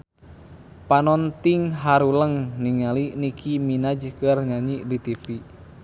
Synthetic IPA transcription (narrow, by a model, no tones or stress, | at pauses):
panɔnt̪iŋɦaɾuləŋniŋalinikiminad͡ʒkərɲaɲidit̪ifi